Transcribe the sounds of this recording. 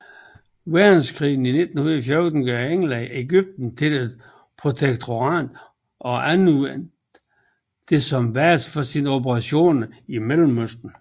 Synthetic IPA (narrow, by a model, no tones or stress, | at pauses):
ʋæɐd̥n̩skʰʁḭːn̩ine̝d̥n̩huð̩ˠfjɔɐd̥n̩ɡ̥œeŋlæeɡ̥yb̥̚d̥n̩t͡sʰe̝led̥ | pʰʁo̝t͡sʰeɡ̥̚t͡sʰo̝ʁɑ̰̈ːd̥ | ʔɒ̽ʔænu | d̥e̝sɒ̽mʋæɐsfɒsino̝pəʁɑ̈ɕo̝̰ːnimel̰m̩øsd̥n̩